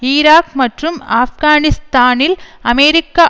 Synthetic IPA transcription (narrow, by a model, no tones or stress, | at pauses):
iɾaːkmɐʈrɯma̰ːfɡaːnɪst̪aːnɪlɐmeɾɪkːɐ